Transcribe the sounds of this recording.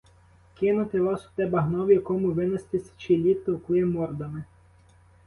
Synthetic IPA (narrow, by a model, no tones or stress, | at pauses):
kɪnʊt̪ɪʋɑsʊ̥t̪ɛbɐɦnɔwjɐkɔmʊʋɪnɐst̪ɪsʲt͡ʃilʲit̪ːɔʊklˠɪmɔrd̪ɐmɪ